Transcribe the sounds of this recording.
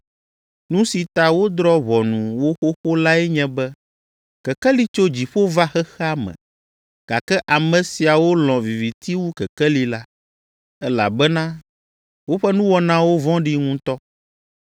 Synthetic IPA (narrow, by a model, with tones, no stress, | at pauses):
nũ˦si˨t̪a˨wo˦d̪ɾɔ˦βɔ˨nũ˨wo˦xo˦xo˦la˦ɛ˦ɲɛ̃˦bɛ˦ | kɛ˨kɛ˦li˦t͡ʃo˦d͡ʑi˨ɸo˦va˦xɛ˦xɛ˦a˦mɛ̰̃˨ | ɡ̥a̰˨kɛ˦ʔa˨mɛ̃˨si˨a˨wo˦lɔ̃˨vi˨vi˨t̪i˦wu˦kɛ˨kɛ˦li˦la˦ | ɛ˦la̰˨bɛ˦nã˦ | wo˦ɸɛ˦nũ˦wɔ˨nã˦wo˦vɔ̃˦ɖi˦ŋũ˦t̪ɔ˦